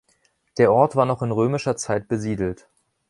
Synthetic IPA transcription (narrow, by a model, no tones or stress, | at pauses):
d̥eːɐʔɔɐtv̥aːɐnɔχɪnʁøːmɪʃɐt͡saɪt̚b̥əziːdl̩t